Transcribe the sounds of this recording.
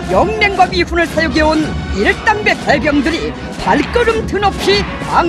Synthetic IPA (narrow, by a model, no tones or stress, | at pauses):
jʌŋmeŋɡwapiɸunɯɭsʰajoɡeoniɭt͈aŋbe̞k̚t͈aɭbjʌŋdɯɾi | paɭk͈ɯɾɯmtʰɯnʌp̚ɕ͈ʰiaŋ